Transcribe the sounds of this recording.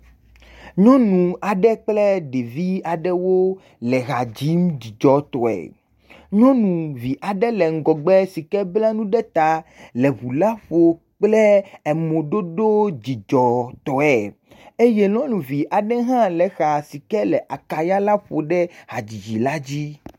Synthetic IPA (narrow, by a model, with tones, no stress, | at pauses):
ɲɔ̃˦nũ˨a˨ɖɛ˦k͡plɛ˦ɖe˨vi˦a˨ɖɛ˦wo˦ | lɛ˨ɣa˨d͡ʑi˨˦md͡ʑi˨d͡ʒɔ˨t̪ɔ˨ɛ̰˨ | ɲɔ̃˦nũ˨vi˨ʔa˨ɖɛ˦lɛ˨ŋ̩˨ɡɔ˨ɡ͡bɛ˦si˨kɛ˦bla˦nũ˦ɖɛ˦t̪a˨lɛ˨βu˨la˦ɸo˨ | k͡plɛ˦ɛ˨mõ˨ɖo˦ɖo˦d͡ʑi˨d͡ʒɔ˨t̪ɔ˨ɛ˨ | e˦jɛ˦lɔ̃˦nũ˨vi˨ʔa˨ɖɛ˦ɦã˦lɛ˨xa˨si˨kɛ˦lɛ˨ʔa˨ka˨ja˦la˦ɸo˨ɖɛ˦ha˨d͡ʑi˨d͡ʑi˨la˦d͡ʑi˦